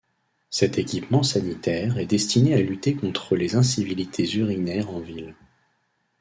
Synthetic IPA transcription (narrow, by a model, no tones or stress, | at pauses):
sɛt̪ekʲipmɑ̃sanit̪ɛʁɛd̪ɛst̪inealyt̪ekɔ̃t̪χəlezɛ̃sivilit̪ʰezyʁinɛʁɑ̃vil